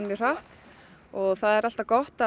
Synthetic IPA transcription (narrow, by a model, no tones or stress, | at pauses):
ɛr̥aht̪ | ɔɣθaðɛɾal̥t̪akɔht̪a